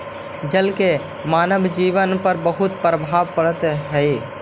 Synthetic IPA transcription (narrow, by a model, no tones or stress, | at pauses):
d͡ʒəlke | maːnəbʱd͡ʒiːʋənpəɾbəɦʊt̪̚pɾəbʱaːbpəɽət̪ɦəɪ